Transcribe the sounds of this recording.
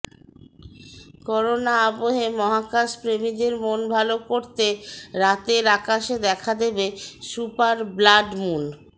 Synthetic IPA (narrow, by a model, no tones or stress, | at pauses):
kɔɾonaaboɦemɔɦakaʃpɾemid̪eɾmonbʱalokoɾt̪eɾat̪eɾakaʃed̪ɛkʰad̪ebesupaɾblaɖmun